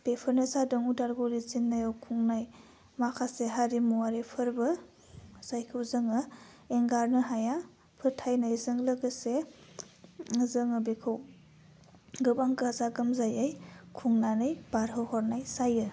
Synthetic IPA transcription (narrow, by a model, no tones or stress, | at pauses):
b̥epʰɯɾnɯsadɯŋudaɾɡoɾit͡ʃinːajawkʰuŋnaj | makʰaseɦaɾimuwaɾepʰɯɾbɯ | z̥ajkʰɯwzɯŋɯeŋɡaɾnɯɦaja | pʰɯɾtʰajnajzɯŋlɯɡɯse | zɯŋɯbekʰɯw | ɡɯbaŋɡzaɡɯmzajajkʰuŋnanɯjb̥aɾɦɯwhɔɾnajsajɯ